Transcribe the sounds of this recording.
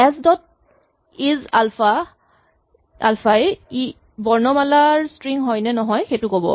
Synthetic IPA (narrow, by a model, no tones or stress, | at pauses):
ɛsdɔt̚ | izalfa | a̰lfʰaji | bɔɹnɔmalaɹstɹiŋɦɔjnɛnɔɦɔjxejtʊkobɔ̰